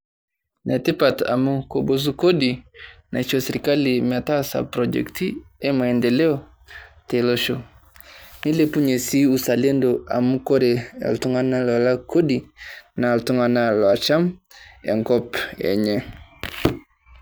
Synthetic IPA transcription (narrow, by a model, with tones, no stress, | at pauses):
nʔa˨ti˦pa˨ta̰˨mu˦ko˨bo˦s̬u˦ko˦dina˨i˨t͡ʃo˨se˨ɾi˨ka˦li˨ma˨ta˦sa̰˨pɾod͡ʒɛ̰˨ktie˦ma˨ɛ˨ndɛ˨lɛ˦ɔ˨ | te˨lo˦ʃo˨ | ni˦le˦pu˦ɲe˨si˦u˨sa˨le˦ndo˨a̰˨mu˦ko˦ɾḛ˨ltu˦ŋa˦na˦lɔ˨la˦kʰo˦di˨na˨ltu˦ŋa˨na˦lwa˨t͡ʃa˦mḛ˨ŋɡɔ˦pɛ̰˨ɲɛ˦